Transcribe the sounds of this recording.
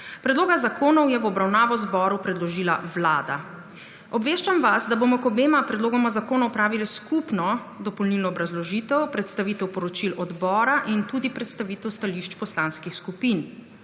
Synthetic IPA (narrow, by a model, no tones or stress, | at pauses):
pɾɛd̪loːɡazakʰoːnɔwjɛʋɔbɾawnaːʋɔzbɔɾupɾɛd̪lɔʒiːla̰ʋlaːd̪a̰ | ɔbʋeːʃt͡ʃamʋasd̪abomɔkɔbeːmapɾɛd̪loːɡɔmazakoːnɔwpɾaːʋiliskupnɔ | d̪ɔpɔlnilnɔːbɾazlɔʒit̪ɛwpɾɛt̪st̪aʋiːt̪ɛwpɔɾɔt͡ʃilɔd̪bɔːɾaʔint̪uːd̪ipɾɛt̪st̪aʋiːt̪ɛwst̪aliʃt͡ʃpɔslaːnskixskupin